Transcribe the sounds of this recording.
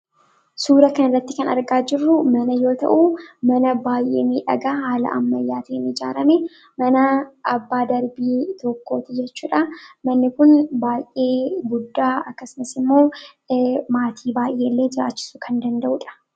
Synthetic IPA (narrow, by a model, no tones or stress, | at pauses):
suːɾɐkɐnɐrːɐt̪ːɪkɐnɐ̰ɾɡaːd͡ʒɪrːʊmɐnɐjo̞ːt̪ɐ̰ʔuːmɐnɐbaːjʔḛːmiːᶑɐ̰ɡaːhaːlɐ̰ʔɐ̰mːɐjːaːt̪iɪnɪd͡ʒa̰ːɾɐme | mɐnɐʔɐbːaːd̪ɐɾbiːt̪ɔkːo̞ːt̪ɪd͡ʒɛt͡ʃːuːᶑɐmɐnːɪkʊnbaːjʔe̞ːɡʊd̪ːaːɐkːɐsɪnɐsɪmːo̞ː | maːt̪ʰiːbaːjʔe̞ːlːe̞ːd͡ʒɪɾa̰ːt͡ʃːɪ̥sʊkʰɐnd̪ɐnd̪ɐʔuᶑɐ̥